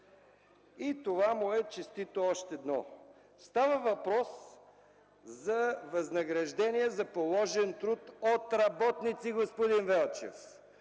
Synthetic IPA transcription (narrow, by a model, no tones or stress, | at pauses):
it̪ovamʊɛt͡ʃɛst̪it̪oɔʃt̪ɛd̪nɔ | st̪avəvɐpɾɔs | zɐvɐznɐɡɾɐʒd̪ɛniɛzɐpolˠɔʒɛnt̪ɾut̪ot̪ɾɐbɔt̪nit̪siɡospod̪invɛlˠt͡ʃɛ̰f